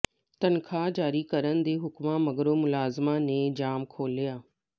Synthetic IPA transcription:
t̪ɐnɪ̆kʰãːd͡ʑaːɾikɐɾənɪ̆d̪eːɦʊkmãmɐɡɾomʊlaːzmanẽːd͡ʑaːmkʰoːlijaː

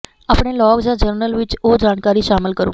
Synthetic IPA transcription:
apɽ̃elɔːɡd͡ʒãd͡ʒəɾnəlʋɪt͡ʃod͡ʒaːɽkaːɾiʃaːmɪlkəɾṵ̃ː

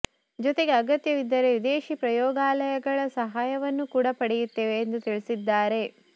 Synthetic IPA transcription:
d͡ʒɔt̪e̞ɡe̞ɐɡɐt̪jɐʋid̪ːɐɾe̞ʋid̪eːʃipɾɐjɔːɡaːlɐjɐɡɐɭɐsɐɦaːjɐʋɐnːukuːɽɐpɐɽɛjut̪ːeːʋeːnd̪ut̪iɭisid̪ːaːɾe̞

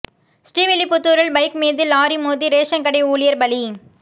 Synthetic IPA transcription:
sʈiːʋɪlɪpːʊt̪ːuːɾɐɭbɐɪkmeːðɯlaːɾimoːðiɾeːʂɐnkɐɽɛɪuːlɪjɐɾbɐli

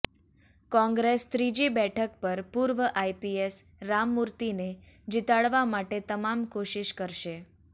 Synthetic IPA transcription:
kɔ̃ŋɡɾest̪ɾid͡ʒibɛʈʰəkpəɾpuɾʋəʔajpies | ɾamːuɾt̪ine | d͡ʒit̪aɭʋamaʈet̪əmamkoʃiʃkəɾʃe

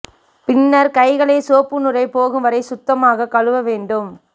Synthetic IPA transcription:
pɪnːɐɾkɐɪɣɐɭeːsoːpːɯnɯrɐɪpoːɣɯmʋɐɾɐɪsʊt̪ːɐmaːɣɐkɐɭɯʋɐʋeːɳɖɯm

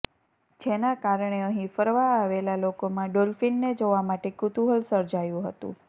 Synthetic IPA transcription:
d͡ʒenakaɾɳeəɦĩfəɾʋaːʋelalokomãɖolfinːed͡ʒoʋamaʈekut̪uɦəlsəɾd͡ʒajũɦət̪ṵ̃

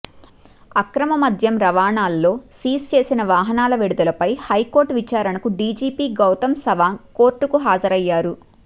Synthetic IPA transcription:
ɐkɾɐmɐmɐd̪ʱjɐmɾɐʋaːɳaːlːo̞ːsiːst͡ʃe̞ːsinɐʋaːɦɐnaːlɐʋiɽud̪ɐlɐpɐjhɐjko̞ːɾʈʋit͡ʃaːɾɐɳɐkuɖiːd͡ʒiːpiːɡɐwt̪ɐmsɐʋaːŋkoːɾʈːukuɦaːd͡ʒɐɾɐjːaːɾu

